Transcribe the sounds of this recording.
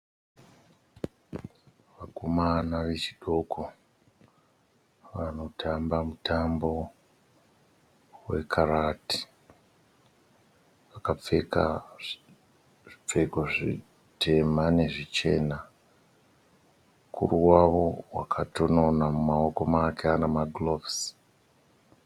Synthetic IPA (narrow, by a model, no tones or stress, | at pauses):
ʋakomanaʋe̞t͡ʃiɗo̞kʰo | ʋano̞tʰambamutambo̞ | we̞̰kʰaɾati̥ | ʋakap͡fe̞ka | ʐip͡fe̞koʐi | tʰe̞mane̞ʐit͡ʃe̞ːna | kʰṵruwaʋo̞wa̰kʰatono̞namumao̞ko̞makeanamaɡlo̞vs